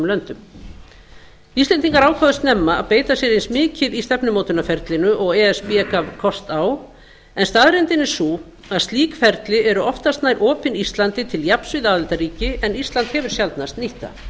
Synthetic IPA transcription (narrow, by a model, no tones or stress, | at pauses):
mlœnt̪ʏm | ist̪lɛnt̪̬iŋkaɾaːwkʰvaðʏst̪nɛmːaa̰ðpeːjt̪asjɛɾejnsmɪːcɪðist̪ɛpnʏmowt̪ʏnafɛɾt̪lɪnʏʔɔɣɛːɛspiɛkavkʰɔst̪aːw | ɛnst̪aːðɾɛnt̪ɪnɪ̥su | aðst̪liːkfɛɾt̪lɪʔɛɾʏɔft̪ast̪naːjɾʔɔːpɪnist̪lant̪ɪt̪ʰɪljapsvɪðaːðɛlt̪aɾiːcɪɛnist̪lant̪hɛvʏɾ̥sjalt̪nast̪niht̪a̰